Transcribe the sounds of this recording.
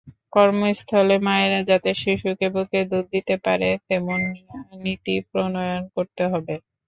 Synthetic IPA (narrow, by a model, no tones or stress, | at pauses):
kɔɾmost̪ʰɔlemaeɾad͡ʑat̪eʃiʃukeboked̪ud̪d̪it̪epaɾefemonːit̪ipɾonojonkoɾt̪eɦɔbe